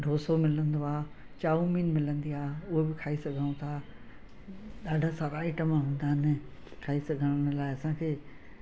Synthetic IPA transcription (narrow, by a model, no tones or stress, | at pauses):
ɖʱoːsomɪlə̃nd̪oaː | t͡ɕaːũmiːnmɪlə̃nd̪iaːʊɦebɪkʰaːisɐɡʱə̃ũt̪ʰa | ɗaːɖʱəsãɾaːɪʈəmãɦũːnd̪aːɦɪnɪkʰaːisɐɡʱəɽ̃əɽ̃laːɪɐsãkʰeː